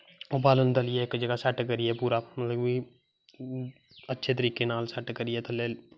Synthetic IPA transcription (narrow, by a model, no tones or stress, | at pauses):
obaːlənd̪ɐlɪjeekːd͡ʒɐɡasɐʈkɐɾɪɛpuːɾamɐt̪ləbi | ɐtːʃʰet̪̬əɾiːkenaːlsɐʈkɐɾɪjet̪ɐlːeːl